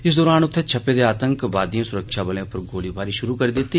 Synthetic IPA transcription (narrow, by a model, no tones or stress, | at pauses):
ɪsd̪ɔːɾaːnʊt̪ʰːet͡ʃʰɐpeːd̪eaːt̪ə̃ŋkʋaːd̪ijõsʊɾəkʃabɐlẽpɐɾɡoːlibʱaːɾiʃʊɾukɐɾd̪eːt̪i